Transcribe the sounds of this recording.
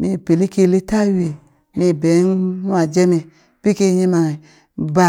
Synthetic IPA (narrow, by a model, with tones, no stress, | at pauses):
mi˧˨pe˨li˦ke˦˨le˦ta˦˨we˨ | mi˧˨bɛ˨˦n˦nu˦a˨d͡ʒɛ˦me˨ | b̥i˦ke˦˨ɲi˦ma˨ | ba˦˨